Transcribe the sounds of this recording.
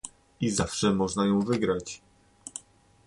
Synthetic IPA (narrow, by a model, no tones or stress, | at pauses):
izafʂɛmɔʐnajɔ̃w̃vɘɡɾat͡ɕ